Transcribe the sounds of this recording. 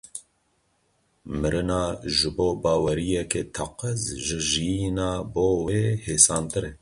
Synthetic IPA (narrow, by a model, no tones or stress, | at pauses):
mɨɾɨnɑːʒɨboːbɑːwɛɾijɛket̪ʰɑqɨzʒɨʒijinɑːboːweːheːsɑːnt̪ɨɾe